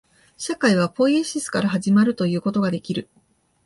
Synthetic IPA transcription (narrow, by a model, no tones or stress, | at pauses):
ɕakaiβ̞apo̞ieɕisɨ̥kaɾaɦaʑimaɾɯ̟t̪o̞jɯ̟ːko̞t̪o̞ɡad̪e̞kʲiɾɯ̟